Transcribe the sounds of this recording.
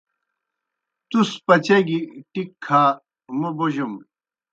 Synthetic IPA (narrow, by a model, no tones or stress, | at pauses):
t̪uspɐt͡ɕeɡiʈikʰːaː | muboʑum